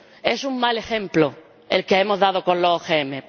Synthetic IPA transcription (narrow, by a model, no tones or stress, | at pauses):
e̞suŋmale̞xe̞mplo | elkeemozðað̞oko̞nlooxeeme̞